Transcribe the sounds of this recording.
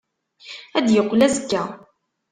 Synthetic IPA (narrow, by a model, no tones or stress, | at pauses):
æd̪jəqːlæzəkːæ